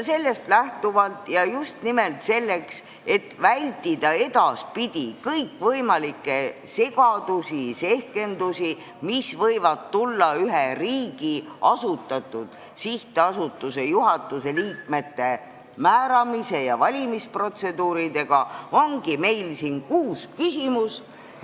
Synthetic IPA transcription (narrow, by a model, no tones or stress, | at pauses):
se̞lːe̞st̪læht̪uvɑlt̪jɑjust̪nime̞lt̪se̞lːe̞ks | e̞t̪ːvælʲt̪ːˑid̪̥ɑe̞d̪ɑspid̪̥ʲikɤjkːvɤjmɑlikːˑe̞se̞ɡɑd̪̥usise̞hke̞nd̪usi | misvɤjvɑd̪t̪ulːɑyɦeriːɡ̥iɑsut̪ːˑɑt̪ːˑud̪̥ | siht̪eɑsut̪ːˑuse̞juɦɑt̪ːˑuse̞liːk̚me̞t̪ːe̞ | mæːɾɑmise̞jɑvɑlʲimispro̞t̪se̞d̪uːɾid̪e̞ɡ̥ɑo̞ŋɡ̥ime̞jlsinkuːskysimus